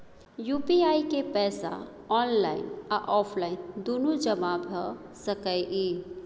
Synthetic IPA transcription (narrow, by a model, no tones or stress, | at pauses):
jupiaikepɛːsa̰ | ɔnlaɪnaʔɔpʰlaɪnd̪onud͡ʒəmabʱə | səkəjʔi